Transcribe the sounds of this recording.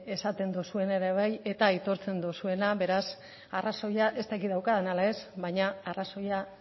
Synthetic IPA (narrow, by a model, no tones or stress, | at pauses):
e̞sat̪e̞nd̪usue̞naeɾe̞β̞aje̞t̪ait̪o̞ɾt͡se̞nd̪usue̞naβe̞ɾas | araso̞jaʔe̞st̪akiðawkaðenalae̞zβajɲaaraso̞ja